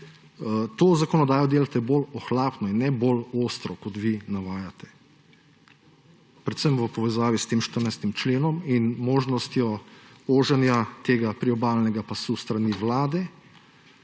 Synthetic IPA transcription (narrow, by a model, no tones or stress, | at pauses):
t̪oːzakɔnɔd̪aːjɔd̪eːlat̪ɛbolɔxlaːpnɔinːɛboloːst̪ɾɔkɔt̪ʋinaʋaːjat̪ɛ̥ | pɾɛt̪səmʋəpɔʋɛzaːʋist̪eːmʃt̪əɾnajst̪imt͡ʃleːnɔminmoːʒnɔst̪jɔoːʒɛnjat̪eːɡapɾiɔbaːlnɛɡapasust̪ɾaniʋlaːd̪ɛ